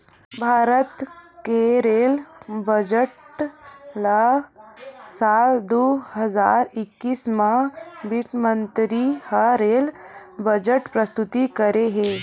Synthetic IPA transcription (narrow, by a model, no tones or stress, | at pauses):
bʱaɾət̪keɾelbəd͡ʒəʈ | la | sald̪oɦəzaɾikːiːsmabiʈmənt̪ɾihaɾelbəd͡ʒəʈpɾəst̪ut̪ikəɾeɦe